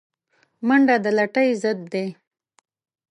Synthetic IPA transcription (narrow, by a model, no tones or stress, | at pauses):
məɳɖad̪əlaʈəjzəd̪̚ːe